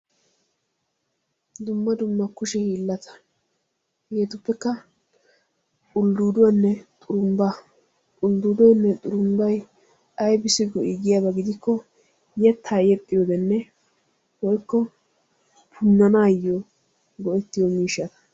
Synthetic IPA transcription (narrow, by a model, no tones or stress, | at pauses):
d̪ʊmːɐd̪ʊmːɐkʊʃɛhiːlːɐt̪ʰɐ̥ | heːt̪ʊpːɛkːɐ | kʼʊlːuːd̪ɔnːɛt̪ʼʊɾʊmbɐ | ʊld̪uːd̪ɔnːɛt̪ʼʊɾʊmbɐj | ɐjbɪsɪɡɔʔɪɡɪjabɐɡɪd̪ɪkːɔ | jɛt̪ʰːaːjɛt̪ʼːɪjod̪ɛnːɛ | wɔjkːɔ | pʰʊnːɐnaːjːo | ɡɔʔɛt̪ːɪjɔmiːʃːɐt̪ɐ̥